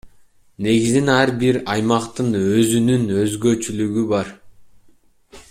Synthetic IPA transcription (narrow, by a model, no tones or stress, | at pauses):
ne̞ɡizinæɾbiɾɑjmɑqt̪ɯnø̞zynynø̞zɡø̞t͡ʃylyɡybɑɾ